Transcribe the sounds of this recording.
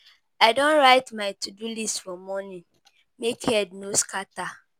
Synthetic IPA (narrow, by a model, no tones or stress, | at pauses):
aɪdõnɹaɪtmaɪtʰudulistfɔmɔnĩ | mekhɛdnoskata